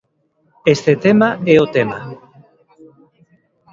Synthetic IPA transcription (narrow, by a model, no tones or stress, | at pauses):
est̪et̪emaɛot̪ema